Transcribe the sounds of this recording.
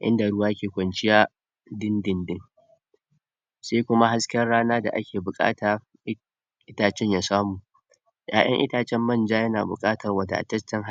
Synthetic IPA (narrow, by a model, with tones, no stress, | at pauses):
ʔɪ̰˦nda˨ɽʊ˦waː˦kʲeː˨kʷɐ˨nt͡ʃɪ˦jaː˦ | dɪ˦ndɪ˨ndɪ˦ŋ | seː˦kʷʊ˦ma˦ɦa˦skʲɛ˦rɽaː˦naː˦da̰˨ʔa̰˦kʲeː˨bʊ˨kʼa̰ː˦taː˨˦ | ʔɪ˦taː˨t͡ʃɛ˦ɲjaː˨saː˦muː˨ | jaː˨ʔɐ̰˦ŋʔɪ̰˦taː˨t͡ʃɛ˦mːɐ˦˨nd͡ʒaː˦jɐ˦naː˨bʊ̰˨kʼaː˦tɐ˨rwɐ˨da̰˨ʔa̰˨tɐ˦st͡ʃːɐ˦ŋɦ